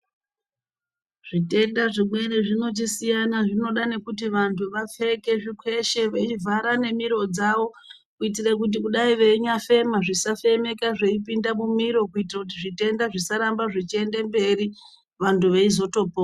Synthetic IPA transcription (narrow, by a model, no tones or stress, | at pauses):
ʐ̥ite̞ndaʐimwe̞ɾeʐino̞t͡ʃisijanaʐino̞ɗane̞kut̬iʋantʰuʋafe̞ke̞ʐikwe̞ʃe̞ʋet͡ʃivʱaɾane̞miɾo̞d͡zaʋo̞ | kuit̬irak̬ut̬ikuɗaiʋe̞ɲafe̞maʐisafe̞me̞kaʐe̞ipindamumiɾo̞kuitirakut̬iʐite̞ndaʐisaɾambaʐit͡ʃie̞nde̞mbe̞ɾi | ʋantʰuʋeizo̞to̞po